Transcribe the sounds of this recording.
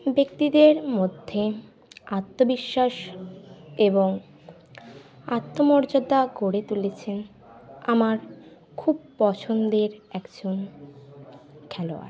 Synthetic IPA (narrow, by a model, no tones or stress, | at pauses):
bek̚t̪id̪eɾmod̪ʱːe | at̪ːobiʃːaʃ | eboŋ | at̪ːomɔɾd͡ʑod̪aɡoɽet̪ulet͡ɕʰen | amaɾ | kʰub̚pɔt͡ɕʰond̪eɾɛkd͡ʑon | kʰɛloa̰ɾ